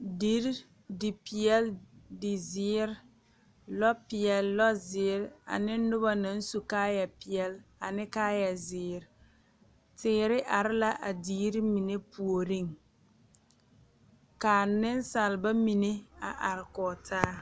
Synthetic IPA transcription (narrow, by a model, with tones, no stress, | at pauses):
di˦ɾ | dɪ˨piɪ˨ɛ˦ldɪ˨zɪ˨˦ɾ | lɔ˦pɪ˨jɛ˨llɔ˦zɪ˨˦ɾa̰˨nɪ˦nʊ˦ba˦na˨˦n̩˦su˨kaː˦ja˨pɪ˨ɛ˦la˨nɪ˦kaː˦ja˨zɪː˨˦ɾ | tɪː˨˦ɾɪ˦ʔa˨ɾɪ˦la˦ʔa˨diː˦ɾi˦mi˨ne˦pu˨o˨ɾi˦˨ŋ | kaː˨nɪ˦nsa˨lba˦mi˨ne˦a˨ʔa˨ɾɪ˨kɔ˨tʰaː˦